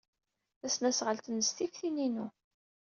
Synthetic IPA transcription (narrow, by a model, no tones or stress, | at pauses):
θæsnæsʁəlt̪ənəst̪ifθininu